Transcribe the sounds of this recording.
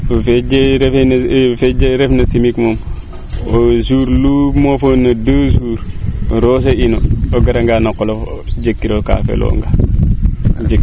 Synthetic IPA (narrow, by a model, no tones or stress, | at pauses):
fed͡ʒeɾefenfed͡ʒeɾefnɐsimikmom | osuɾlumofonːɐdoːsuːɾɾos̬einooɡaɾaŋɡanakolod͡ʒekːiɾoka̰fḛlʔo̰ːŋɡa | d͡ʒe